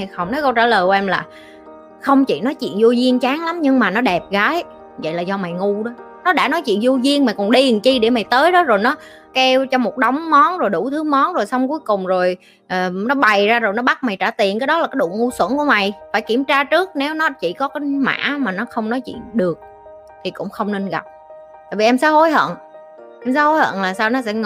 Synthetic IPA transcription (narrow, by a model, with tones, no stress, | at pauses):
xə˧wŋ͡mt̪ʰɔ˨˦jkə˧wt͡ɕa̰ː˧˩ləː˨˩kɛ˧mlaː˨˩ | xə˧wŋ͡mt͡ɕḭ˧˨nɔ˨˦jt͡ɕḭ˧˨ənzu˧zi˧ənt͡ɕaː˨˦ŋla˨˦mɲɨ˧ŋmaː˨˩nɔ˨˦ɗɛ˨˩p̚ɣaː˨˦j | və̰˧˨jlaː˨˩zɔ˧ma˨˩jŋu˧ɗɔ˨˦ | nɔ˨˦ɗa̰ː˧˥˩nɔ˨˦jt͡ɕḭ˧˨ənzu˧zi˧ənma˨˩jkɔ˨˩nɗi˧˩ə˨˩nt͡ɕi˧ɗe˧˩ma˨˩jt̪əː˨˦jɗɔ˨˦zo˨˩jnɔ˨˦ | kɛ˧wt͡ɕɔ˧mo˨˩t̚ɗə˨˦wŋ͡mmɔ˨˦nzo˨˩jɗu˧˩t̪ʰɨ˨˦mɔ˨˦nzo˨˩jsa˧wŋ͡mku˨˦əjkʊ˨˩ŋ͡mzo˨˩j | ʔəː˨˩nɔ˨˦ɓa˨˩jzaː˧zo˨˩jnɔ˨˦ɓa˦˥t̚ma˨˩jt͡ɕaː˧˩t̪i˨˩ənkaː˨˦jɗɔ˨˦la˨˩kaː˨˦jɗṵ˧˨ŋu˧swə˧˥nku˧əma˨˩jfaː˧˩jki˧˩əmt͡ɕaː˧t͡ɕɨ˦˥ək̚ne˨˦wnɔ˨˦t͡ɕḭ˧˩kɔ˨˦kaː˨˦jma̰ː˧˥maː˨˩nɔ˨˦xə˧wŋ͡mnɔ˨˦jt͡ɕḭ˧˨ənɗɨ˨˩ək̚ | t̪ʰi˨˩kʊ̰˧˥ŋ͡mxə˧wŋ͡mne˧nɣa̰˨˩p̚ | t̪a̰ː˧˨jvi˨˩ʔɛ˧msaː˨˦ho˨˦jhə̰˧˨n | ʔɛ˧msaː˨˦ho˨˦jhə̰˧˨nlaː˨˩saː˧wnɔ˨˦sɛ̰˧˥